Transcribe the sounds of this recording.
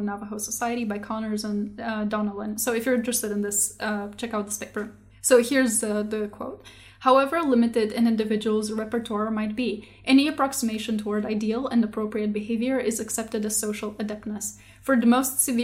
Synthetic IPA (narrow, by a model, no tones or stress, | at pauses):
vnɑvəɦoʊsəsaɪɨɾibaɪkʰɑnə˞zə̃ndɑnəlˠə̃nsoʊɨfjə˞ɪ̃ntɹ̥ɨstɨɾɨ̃nðɪst͡ʃʰɛkaʊt̪̚ðɪspʰeɪpə˞ | soʊhiɹzðɨðɨkʰw̥oʊt̚ | haʊɛvə˞lɪ̃mɨɾɪɾɨ̃nɪ̃ndɨvɪd͡ʒəwl̩ˠzɹɛpə˞tʰɔɹmaɪt̚b̥i | ʔɛñiɨpʰɹ̥ɑksɨmeɪʃɨ̃ntʰəwɔɹdaɪdil̩ˠɨ̃ndəpʰɹ̥oʊpɹiɨt̚bɨɦeɪvjə˞ʔɪzɨksɛp̚tɨɾɨ̥soʊʃl̩ˠɨdɛp̚nɨs | fə˞ðmoʊstsɨv